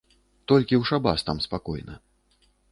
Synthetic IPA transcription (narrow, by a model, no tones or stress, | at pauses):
t̪ɔlʲkʲiwʂaba̰st̪amspakɔjnɐ̰